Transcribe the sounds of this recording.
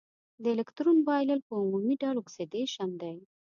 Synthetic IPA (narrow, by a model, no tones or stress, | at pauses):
d̪əelɪkt̪ɾunbɑjləlpəumumiɖɑlʊksed̪eʃand̪aj